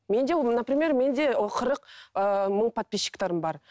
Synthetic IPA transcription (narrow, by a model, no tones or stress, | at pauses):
me̞nd̪enapɾimʲe̞ɾme̞nd̪e̞qʰəɾəqəməɴpʰat̪̚pʲeʃːɪ̥kt̪ɑɾəmbɑɾ